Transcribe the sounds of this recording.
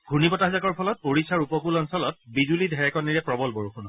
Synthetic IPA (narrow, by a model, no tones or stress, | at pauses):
ɡʱunipɔtaɦzakɔɹpʰɔlɔt̚poɹisaɹupɔkulɔnsɔlɔt̚bizulidʱɛɹɛkɔnːiɹɛpɹɔbɔlbɔɹuxʰunɔ